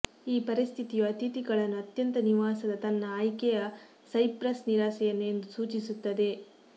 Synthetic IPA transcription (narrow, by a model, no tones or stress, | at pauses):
iːpɐɾist̪ʰit̪ijuɐt̪it̪iɡɐɭɐnːuɐt̪jɐnt̪ɐniʋaːsɐd̪ɐt̪ɐnːɐaːjkɛjɐ | sɐjpɾɐsniɾaːsɛjɐnend̪usuːt͡ʃisut̪ːɐd̪e̞